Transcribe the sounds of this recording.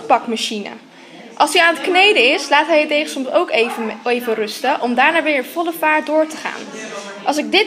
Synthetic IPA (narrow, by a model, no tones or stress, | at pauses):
pɑkmaʃinə̰ | ʔɑlˠsiaːnətknejdəɪslaːtɦɛjətejχəsɔmsowkejvərɵstəʔɔmdaːɹnaːʋɪːɹənv̥ɔləvaːɹt̚dʊːɹtəχa̰ːn | ʔɑlˠsɪɡ̚dɪt